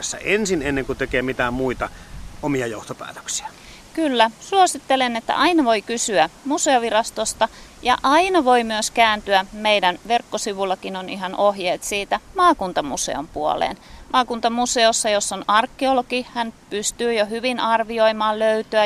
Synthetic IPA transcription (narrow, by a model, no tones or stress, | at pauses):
esːæ̰ʔensinenːeŋkut̪ekeːmit̪æmmuit̪ɑomiɑjoht̪opæ̰ːt̪ø̥ksi̥æ | kylːæsuosit̪ːelenet̪ːæ̰ʔɑinɑʋoikysyæmuseoʋirɑst̪ost̪ɑjɑ̰ʔɑinɑʋoimyøskæːnt̪yæmeidænʋerkːosiʋulːɑkinoniɦɑnʔohjeːt̪siːt̪æmɑːkunt̪ɑmusḛo̰mpuo̰lḛːnmʔɑːkunt̪ɑmuseosːɑjosːonɑrkːiolokihænpyst̪yːjohyʋinʔɑrʋioimɑːlløyt̪øæ